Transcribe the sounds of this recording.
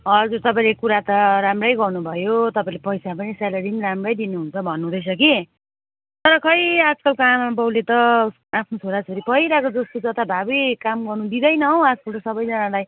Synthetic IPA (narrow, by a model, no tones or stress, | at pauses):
ʌd͡zuɾt̪ʌpãĩlekuɾat̪ʌɾamrʌjɡʌrnubʱʌjot̪ʌpãĩlepʌjsapʌnisalʌɾiniɾamrʌjd̪inuɦunt͡sʰʌbʱʌnːud̪ʱʌjsʰʌki | t̪ʌɾʌkʰʌjad͡zkʌlkoamabʌwlet̪ʌsapʰnot͡sʰoɾat͡sʰʌɾipʌiɾakod͡zʌst̪od͡zʌt̪abʱabikamɡʌrnud̪id̪ʌjnʌɦʌw̃ad͡zkʌlt̪ʌsʌbʌjd͡zʌnalaj